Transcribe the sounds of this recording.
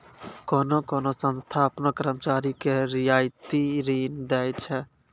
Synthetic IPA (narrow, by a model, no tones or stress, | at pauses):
kɔːnokɔːnosənst̪ʰaːpnokɾəmt͡ʃaːɾikeɾijaːjt̪iɾiːnd̪ɛjt͡ʃʰɛ